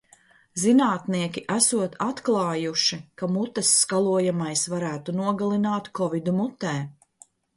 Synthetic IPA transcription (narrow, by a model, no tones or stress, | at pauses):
zinaːt̪niɛkʲiʔæsuɔt̪ʰat̪klˠɑːjuʃikamut̪ːɛsːkalˠuɔjamajsvaɾæːt̪unuɔɡalˠinaːt̪kɔvid̪umut̪ːɛː